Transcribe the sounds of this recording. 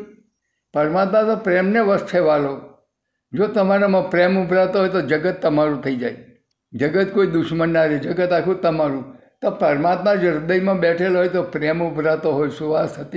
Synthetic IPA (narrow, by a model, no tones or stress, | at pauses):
pəɾmat̪mat̪opɾemneʋəst̪ʰeʋalo | d͡ʒot̪əmaɾamãpɾemʊbʱɾat̪oɦojt̪od͡ʒəɡət̪ːəmaɾũt̪ʰəid͡ʒaj | d͡ʒəɡət̪koid̪ʊʃmənːaɾed͡ʒəɡət̪akʰũt̪əmaɾũ | t̪opəɾmat̪mad͡ʒeɾd̪əjmãbɛʈʰelɦojt̪opɾemʊbʱɾat̪oɦojsuʋasɦət̪i